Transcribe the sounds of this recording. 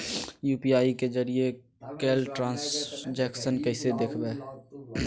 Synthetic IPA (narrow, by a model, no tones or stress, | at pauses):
juːpiaːiked͡ʒəɾie | keːlʈɾãːnsd͡ʒɛksənkəɪsed̪ekʰbeː